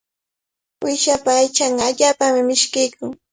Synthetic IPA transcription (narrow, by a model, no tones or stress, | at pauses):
wɪʃapaːjt͡ʃɑɴɢɑːʎaːpamɪmɪʃkɪjkʊŋ